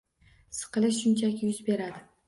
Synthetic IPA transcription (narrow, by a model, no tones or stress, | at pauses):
sɨ̥qʰɨlɪʃʃʊnt͡ʃʰakʲjʊzbe̞ɾad̪ɪ